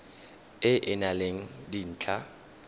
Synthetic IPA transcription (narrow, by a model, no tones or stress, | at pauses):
ɪʔɪnaleŋ̩din̩ːt͡ɬʰʼa